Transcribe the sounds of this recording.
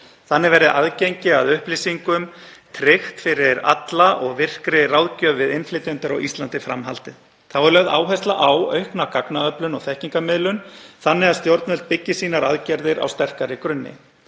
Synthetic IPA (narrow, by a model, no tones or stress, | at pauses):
θanːɪvɛːɾɪðʔaðcejɲcɪaðʏhpliːsiŋkʏmt̪ʰɾɪxt̪fɪɾɪɾa̰t̪laʔɔɣvɪr̥kɾɪrawðcœːvvɪðɪnflɪːt̪ʏnt̪aɾaɣist̪lant̪ɪfɾamɦalt̪ɪð | θawɛɾlɛɣða̰ːwɦɛjst̪laʔawœɥhknakaknaœplʏnɔɣθɛhciŋkamɪðlʏnθanːɪɣaðst̪jowɾt̪nœlt̪̚pɪcːɪsiːnaɾa̰ðcɛɾðɪɾa̰wst̪ɛr̥kaɾɪkɾʏnːɪ̰